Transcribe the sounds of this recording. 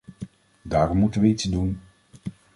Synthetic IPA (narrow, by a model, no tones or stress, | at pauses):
daːɾɔmːutənʋəitsdun